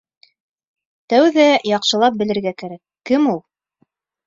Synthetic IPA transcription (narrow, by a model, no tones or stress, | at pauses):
t̪æwðæjɑqʃɤ̆lˠɑp̚bɘ̆lɘ̆ɾɡækæɾækːɘmulˠ